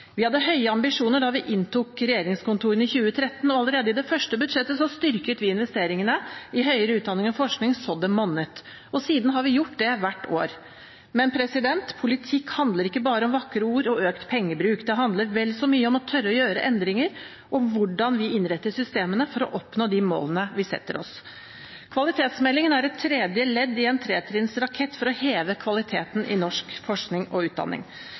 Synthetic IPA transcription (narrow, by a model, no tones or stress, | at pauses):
ʋɪhɑd̪ːəɦœʏəɑmbɪʂuːnəɖɑʋɪʔɪnt̪ʰuːkɾɛjeːɾɪŋskʊnt̪ʰuːɾənɪçʉːət̪ʰɾɛt̪ːnɔɑləɾeːd̪əɪd̪ɛfœʂʈəbʉd̪ʂɛt̪ːəsɔst̪ʏɾkət̪ʋɪɪnʋɛst̪eːɾɪŋənəɪɦœʏəɾəʉːt̪d̪ɑnɪŋɑfɔʂknɪŋsɔd̪əmɔnːət̪ | ɔsiːd̪n̩ɦɑɾʋɪjʊʈːd̪ɛʋæʈːo̰ːɾ | mɛnpʰɾɛsɪd̪ɛnt̪pʰʊlɪt̪ʰɪkhɑnd̪ləɾɪkːəbɑːɾəɔmʋɑkːɾəuːɾɔøːkt̪pʰɛŋːəbɾʉːkd̪ɛɦɑnd̪ləɾʋɛlːsɔmyːəɔmɔt̪ʰœɾːəɔjøːɾə̰ʔɛnd̪ɾɪŋəɾ | ʔɔmʋʊɖɑnʋɪɪnɾɛt̪ːəʂʏst̪eːmənəfɔɾɔ̰ʔɔpnoːd̪ɪmo̰ːlənəʋɪsɛ̰t̪ːəɾɔ̰s | kʰʋɑlɪt̪ʰeːt̪smɛlːɪŋənæɾɛt̪ʰːɾɛːd̪jəlɛd̪ːɪɛnt̪ʰɾeːt̪ʰɾɪnsɾɑkʰɛt̪ːfɔɾɔheːʋəkʰʋɑlɪt̪ʰeːt̪nʔɪ̰nɔʂkfɔʂknɪŋɔʉːt̪̚d̪ɑ̰nːɪ̰ŋ